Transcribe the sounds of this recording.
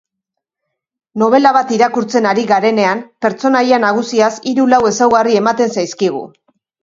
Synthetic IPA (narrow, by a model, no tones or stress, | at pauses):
no̞β̞e̞laβ̞at̪iɾakuɾt͡se̞naɾiɣaɾe̞ne̞ampe̞ɾt͡so̞najanaɣ̞usiasiɾulawe̞sawɣarie̞mat̪e̞nsajskiɣṵ